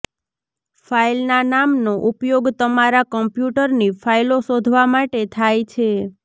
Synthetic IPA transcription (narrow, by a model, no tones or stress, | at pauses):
failnanamnoʔupjoɡt̪əmaɾakəmpjuʈəɾnifʰailosod̪ʱʋamaʈet̪ʰajt͡ʃʰe